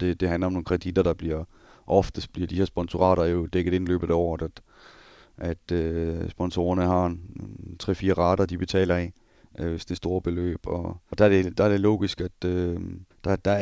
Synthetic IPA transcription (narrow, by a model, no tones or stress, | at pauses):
d̥e̝d̥e̝ɦænlɐɒmno̝ːnkʰʁɛd̥id̥ɐd̥ɑ̈b̥liɐ̰ | ʔɒ̽fd̥əsd̥b̥liɐd̥ihe̝ɐsb̥ɒ̽nsuʁɑ̰̈ːɾ̥ɐjo̝d̥eɡ̥əð̩ˠe̝nlø̰ːb̥̩ˠɒ̰d̥æd̥ | ʔæd̥øsb̥ɒ̽nso̝̰ːɐnəhɑ̈ | t͡sʰʁɛ̰ːfiːɐʁɑ̈ːɾ̥ɐd̥ib̥e̝t͡sʰɛ̰ːlɐɛ | ʋesd̥esd̥o̝ːɐb̥e̝lø̰ːb̥ɒɒd̥ɑɐ̥e̝d̥ɑæɐd̥e̝lo̰ːɡ̥isɡ̥æd̥ød̥ɑ̈d̥ɑ